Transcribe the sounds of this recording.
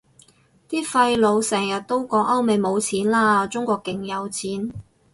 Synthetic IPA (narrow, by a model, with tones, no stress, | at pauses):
t̪iː˥fɐ˧jlo˨˧wsɛː˨˩ŋjɐ˨t̚t̪o˥wkɔː˨˧˥ŋʔɐ˥wme˨˧jmo˨˧wt͡sʰiː˨˥nlaː˥t͡sʊ˥ŋkʷɔː˧kːɪ˨˩ŋjɐ˨˧wt͡sʰiː˨˥n